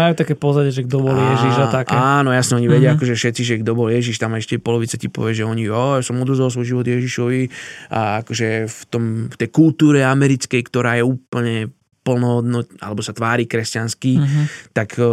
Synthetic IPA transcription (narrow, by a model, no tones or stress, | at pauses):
majuːt̪akɛpɔzaɟɛʒɛɡ̚d̪ɔbɔljɛʒiʃat̪akɛanɔjasɲɛɔɲiʋɛɟɪaakɔʒɛfʃɛt̪t͡siʒɛɡd̪ɔbɔljɛʒiʃt̪amaɛʃcɛpɔlɔʋit͡sacipɔ̰ʋɪaʒɛɔɲiɔjasɔmɔd̪ɾɔzals̬ʋɔjʒiʋɔd̪jɛʒiʃɔʋia̰akɔʒɛft̪ɔmft̪ɛjkult̪uːɾɛamɛɾit͡skɛjkt̪ɔɾaːjɛuːpl̩ɲɛ | pl̩nɔɦɔd̪nɔʔa̰lɛbɔsat̪ʋaːɾiːkɾɛscanskit̪ak